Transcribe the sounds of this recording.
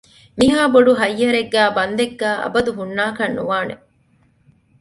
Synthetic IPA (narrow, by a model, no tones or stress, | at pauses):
miɦaːboɖuɦɐjːɐɾeɡːæːbɐnd̪eɡːæːʔɐ̰bɐd̪uɦunːaːkɐnːuʋaːne